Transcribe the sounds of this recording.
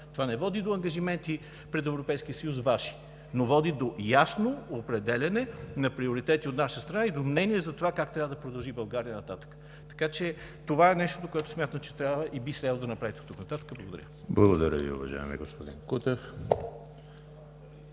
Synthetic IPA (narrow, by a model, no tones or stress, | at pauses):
t̪ovanɛvɔd̪id̪oɐŋɡɐʒimɛnt̪i | pɾɛt̪ɛvɾopɛjskiəsəjusvaʃi̥ | novɔd̪id̪ojasnoopɾɛd̪ɛlʲɐnɛnɐpɾioɾit̪ɛt̪iot̪naʃəst̪ɾɐnaid̪omnɛniɛzɐt̪ovakakt̪ɾʲavəd̪ɐpɾod̪ɐlˠʒibɐlˠɡaɾiənɐt̪at̪ə̥kə̥ | t̪ɐ̥kat͡ʃɛ | t̪ovaɛnɛʃt̪od̪okoɛt̪ʊsmʲat̪əmt͡ʃɛ̥t̪ɾjabvəʔibislɛd̪lˠd̪ɐnɐpɾavit̪ɛt̪uknɐt̪at̪ə̥kəblˠɐɡod̪ɐɾʲəblˠɐɡod̪ɐɾʲə̰ḭʊ̰vɐ̰ʒa̰ɛmḭɡospod̪ḭnkut̪ɛf